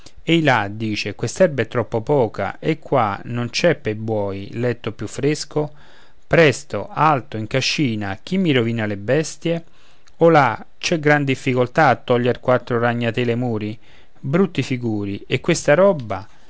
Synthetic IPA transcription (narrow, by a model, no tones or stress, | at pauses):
ejlad̪iːt͡ʃekwest̪ɛrbɛt̪ːɾɔpːopɔːka̰ʔekːwanont͡ʃɛpːebwɔːjlɛt̪ːopjufːɾesko | pɾɛst̪o̰alt̪oiŋkaʃːiːnak̟imːiɾoviːnalebɛst̪je | ola | t͡ʃɛɡɾand̪ifːikolt̪aːt̪ːɔʎːerkwat̪ːɾoraɲːat̪elemuːɾi | bɾut̪ːifiɡuːɾiekːwest̪aɾɔbːa